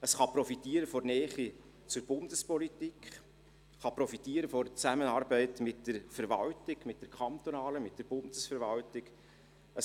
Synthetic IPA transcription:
əsχɑpɾɔfitiəɾəfɔrnɛːχi | t͡sʊɾbʊndəspɔlitikχ | χɑpɾɔfitiːəɾəfɔɾt͡sæmənɑːɾbɛɪtmɪtd̥əɾfəɾʋɑltɪɡmɪt̚d̥əɾkʰχɑnt̪onɑːləmɪtd̥əɾb̥ʊnd̥əsfəɾʋɑltɪɡ | ə

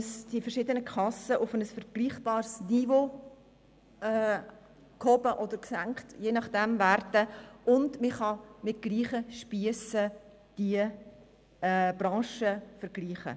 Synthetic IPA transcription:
sd̥ifɛɾʃɪdənəkʰɑsəʔʊfənəsfəɾɡ̥liːχb̥ɑːɾsnivo | ɛ | khɔbəʔɔd̪əɾksæŋkχtjeːnɑχd̥ɛmværdəʔʊndmiχɑmɪt̚ɡ̥liːχəʃpiəsə | d̥iə | b̥ɾɑ̃ːʃəfəɾɡ̥liːχə̰

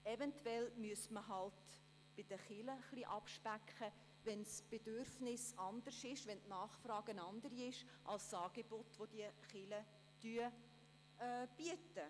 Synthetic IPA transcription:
ɛvɛntwɛlmyəsməɦɑlt | b̥ɪd̥əχɪləχliʔɑpʃpækχə | ʋɛnsb̥ed̥ørfnɪsɑnd̪əɾʃɪʃʋɛntnɑːχfrɑːɡ̥ənɑnd̪əɾiɪʃ | ʔɑlssɑːɡ̥ebotvod̥iəχɪlə | tyə | b̥iətə

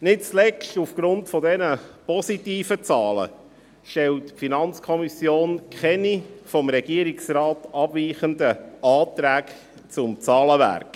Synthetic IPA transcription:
nɪt̚t͡slɛʃtufɡ̥ɾʊntfɔdɛnəpɔsitiːfət͡sɑːlə̰ | ʃtɛltfinɑnt͡skʰɔmisjoːnkχɛnifɔmɾɛɡiəɾiksrɑːtɑb̥viːχəndəɑːt̪ɾæːk | t͡sʊmt͡sɑːləʋæ̰ɾk

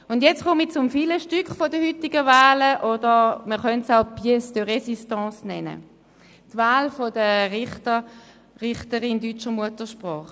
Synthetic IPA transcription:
ʊndjɛt͡sχʊmit͡sʊmfiːləʃtykχfɔdəhytiɡəvaːləʔodəʁməχœntsaʊpiəsd̥əʁɛsistɑ̃ːsnɛnə̰ | tvaːlfodəʁɪtə | ʁɪχtəʁindyt͡ʃəmuətəʃpʁɔːχ

